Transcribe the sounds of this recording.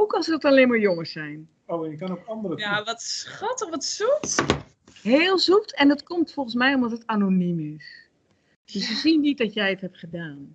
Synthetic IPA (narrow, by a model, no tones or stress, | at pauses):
ukɔnsəɔtalenmaɹjoŋəsɛjn | ojəkanopɔndərəaɔtsxɔtəʋɔtsut | heːlˠzutʰɛndɔtkomtfolˠχən̩smɛjɔmdɔtətanonimɪs | d̥øssəsindit̚dɔtjɛjəthɛp̚χədaːn